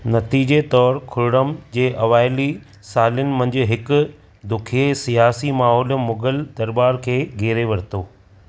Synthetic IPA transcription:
nɐt̪iːd͡ʑet̪ɔːɾkʰʊɾɪɽəmd͡ʑeːʔɐʋaːɪli | saːlənɪ̆mɐ̃ɦɪ̃ɲd͡ʑɪɦɪkʊ | d̪ʊkʰiesijaːsimaːɦɔːlmʊɡəld̪ɐɾbaːɾkʰeːɡʱeːɾeʋɐɾt̪oː

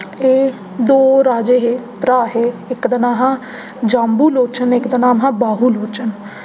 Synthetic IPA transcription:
eː | d̪oːɾaːd͡ʒeːɦeːpɾaːɦeːɪkd̪ənaːɦãː | d͡ʒãːmbuːloːt͡ʃənɪkd̪ənaːmɦãːbaːɦuːloːt͡ʃən

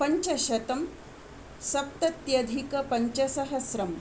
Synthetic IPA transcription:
pɐɲt͡ʃɐɕɐt̪ɐm | sɐp̚t̪ɐt̪jɐd̪ʱikɐpɐɲt͡ʃɐsɐɦɐsɾɐm

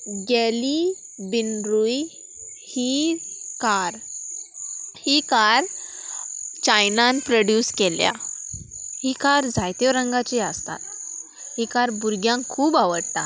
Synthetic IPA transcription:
ɡeli | binɾuj | hikaɾ | hikaɾ | t͡ɕajnanpɾəɽjuːskelja̰ | hikaɾd͡zʱajt̪eʋɾəŋɡat͡ɕiəst̪a̰t̪ | hikaɾbuɾɡjãŋkʰːuːbaʋəɽt̪a̰

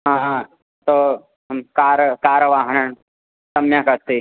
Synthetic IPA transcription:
ɦãː | t̪o | mkaːɾkaːɾəʋaːɦɐnəɳ | t̪ɐmjakɐst̪i

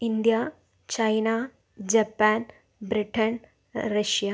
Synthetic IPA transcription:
ind̪ja | t͡ɕɐjnaː | d͡ʑɐpːaːn | bɾiʈːɐn | rɐʂija

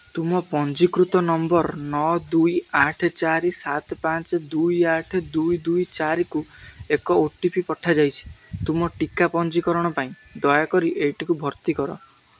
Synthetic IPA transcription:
t̪umɔpɔnd͡ʒikɾut̪ɔnɔmbɔɾnɔd̪ujaʈʰet͡ʃaɾisat̪ɔpat͡ʃd̪ujaʈʰed̪ujd̪ujt͡ʃaɾikuekɔoʈipipɔʈʰad͡ʒajt͡ʃʰi̥t̪umɔʈikapɔnt͡ʃikɔɾɔɽ̃ɔpaĩ | d̪ɔjakɔɾiʔeʈikubʱɔɾt̪ikɔɾɔ̰

